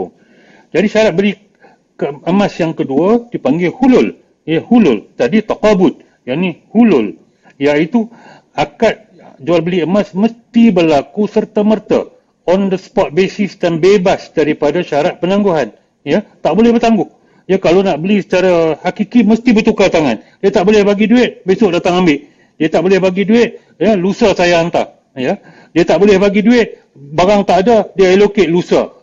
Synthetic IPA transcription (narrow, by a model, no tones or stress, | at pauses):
d͡ʒadiʃaɾat̪̚bəli | kəəmãsjaŋkəduadipaŋɡehulʊl | jəhulʊlt̪adit̪akabʊt̪̚ | jaʔnĩhulʊl | jait̪u | akat̪̚ | d͡ʒualbəliəmãsməst̪ibəlakusərt̪amərt̪a̰ | ɔndəspɔt̪̚besɪsdanbebasdaɾipadaʃaɾat̪̚pənãŋɡuɦan | jat̪aʔbolɛhbərt̪aŋɡʊh | jakalonaʔbəlisə̥t͡ʃaɾahakikiməst̪ibərt̪ukat̪aŋandiat̪aʔbolɛhbaɡiduɪʔ̪̚besʊʔ̚dat̪aŋambɪʔ | diat̪aʔbolɛhbaɡiduɪt̪̚ | jalusasajaːnt̪a̰ | ja | diat̪aʔbolɛhbaɡiduɪʔ̪̚ | baɾaŋt̪aʔadadiaɛlokeʔlusa̰